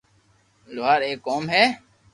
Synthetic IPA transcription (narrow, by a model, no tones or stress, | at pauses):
lʊːɦaːɾeːkːoːmɦɛː